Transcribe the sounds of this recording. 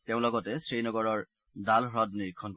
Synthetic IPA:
teʊ̃lɔɡɔtɛsɹejnɔɡɔɹɔɹ | dalɦɹɔdniɹkʰːɔnk

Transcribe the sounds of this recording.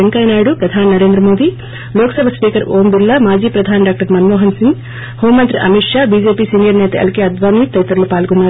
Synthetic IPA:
eŋkɐjnaːjɽupɾɐd̪ʱaːninɐɾe̞ːnd̪ɾɐmoːd̪i | loːkɐsɐbʱɐspiːkɐɾoːmbilːɐmaːd͡ʒiːpɾɐd̪ʱaːnɖaːk̚ʈɐɾmɐnmoːɦɐnsiŋɡ | hoːmːɐnt̪ɾiʔɐ̰miʈʂaːbiːd͡ʒeːpiːsiːnijɐɾnɛːt̪ɐɐ̰lkeɐd̪ʋaːnit̪ɐjt̪ɐɾloːpaːlɡɔnːaːɾ

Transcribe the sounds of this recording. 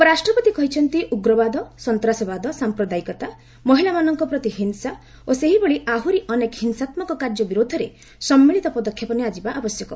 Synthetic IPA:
pɔɾasʈɾɔpɔt̪ikɔɦit͡ʃʰɔnt̪iʔuɡɾɔbad̪ɔsɔnt̪ɾasɔbad̪ɔsampɾɔd̪aikɔt̪a | mɔɦilamanɔŋkɔpɾɔt̪iɦinsa | oseɦibɔɭiʔaɦuɾiʔɔnekhinsat̪mɔkɔkaɾd͡ʒɔbiɾod̪ʱɔɾe | sɔmːiɭit̪ɔpɔd̪ɔkʰːjɔpɔniad͡ʒibaʔabɔsjɔkɔ

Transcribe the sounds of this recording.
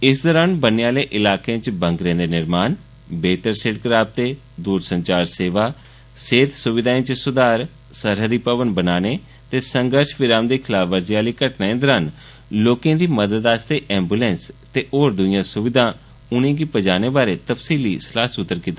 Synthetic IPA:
ɪsd̪ɔɾaːnbəneãːleːʔɪlaːkeãːt͡ʃbə̃ŋkɾẽːd̪eːnɪɾmaːn | beːt̪əɾseːɖ̚kɾaːp̚t̪eː | d̪uːɾsəɲt͡ʃaːɾseːʋaː | seːt̪sʊʋɪd̪aːẽːt͡ʃsʊd̪aːɾ | səɾɦəd̪iːpəʋənbənaːneː | t̪eːsəŋɡəɾʃʋɪɾaːmd̪eːkʰɪlaːʋəɾd͡ʒiaːliːkəʈnaːẽːd̪ɔɾaːn | loːkẽːd̪iːməd̪əd̪aːst̪eːʔɛ̃ːmbuːlɛ̃ːnst̪eːʔoːɾd̪ʊjãːsʊʋɪd̪ʱãː | ʊnẽːk̬iːpəd͡ʒaːneːbaːɾeːt̪əpsiːliːslaːsʊt̪ːəɾkiːt̪aː

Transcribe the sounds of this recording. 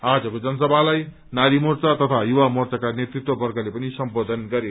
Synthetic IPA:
ad͡zʌkod͡zʌnʌsʌbʱalaj | naɾimort͡sat̪ʌt̪ʰajuwamort͡sakanet̪rit̪wʌbʌrɡʌlepʌnisʌmbod̪ʱʌnɡʌɾe

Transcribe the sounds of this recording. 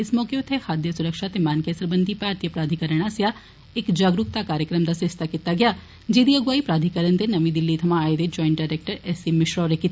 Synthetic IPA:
ɪsmɔːkeot̪ʰehaːd̪jəsʊɾəkʃat̪emaːnkesɐɾbə̃nd̪ʱipaːɾt̪ijəpɾaːd̪ʱikəɾəɽ̃asja | ekd͡ʒaːɡɾʊk̚t̪akaːɾjəkɾəmd̪asɪst̪akit̪aɡɐjaː | d͡ʒeːd̪iɐɡʋaːipɾaːd̪ʱikəɾənt̪enɐʋĩd̪ɪlːit̪ʰɐmãːed̪ed͡ʒɔːɪ̃ɳʈ̚ɖaːɾeːk̚ʈəɾɛːsimɪʃɾɔːɾekɪt̪ː

